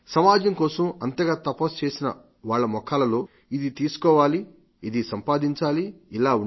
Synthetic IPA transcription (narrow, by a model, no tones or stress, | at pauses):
sɐmaːd͡ʒɐŋkɔːsɐmɐnt̪ɐɡaːt̪ɐpoːst͡ʃe̞ːsinɐ̰ | ʋaːɭːɐmɔkaːlɐlo̞ː | id̪it̪iːsu̥kɔːʋaːliː | d̪isɐmpaːd̪iɲt͡ʃaːliilaːun